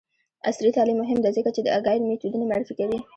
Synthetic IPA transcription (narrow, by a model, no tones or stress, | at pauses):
a̰sɾit̪ɑlimːʊɦɪmd̪azəkat͡ʃed̪əaɡɑjɾmet̪ud̪unemaɾɪfikawi